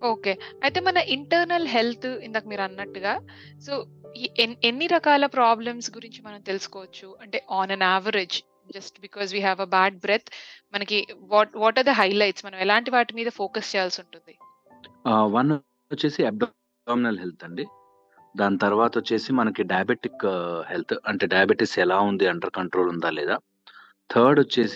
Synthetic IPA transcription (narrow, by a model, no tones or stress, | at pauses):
o̞ːke̞ːɐjt̪eːmɐnɐʔiɳʈɐːɾnɐlɦe̞lt̪ʰind̪aːkɐmiːɾɐnːɐʈːuɡaː | so̞ːiʔenenːiɾɐkaːlɐpɾaːblɐmsɡuɾiɲt͡ʃimɐnɐmt̪e̞lusu̥kɔːʋɐt͡ʃːuɐɳʈe̞ːʔaːnɐnaːʋɐɾed͡ʒ | d͡ʒɐsʈbikɔːzʋiːɦæʋɐbaːɖ̚bɾet̪ʰmɐnɐkiʋɔːʋɔːʈaːɾd̪ɐɦɐjlɐjʈsmɐnɐmɛlaːɳʈiʋaːʈimiːd̪ɐfoːkɐst͡ʃɛːjaːlsuɳʈund̪i | ʋɐn | t͡ʃːeːsiɛp̚ɖː | minɐlɦelt̪ʰɐɳɖi | d̪aːnit̪ɐɾʋaːt̪ɐt͡ʃːeːsimɐnɐkiɖɐjbeʈikhelt̪ʰɐɳʈeːɖɐjɐbeʈisɛlaːund̪iɐɳɖɐɾkɐɳʈɾoːlund̪aːlɛːd̪aː | t̪ʰɐːɾɖɔt͡ʃːeːs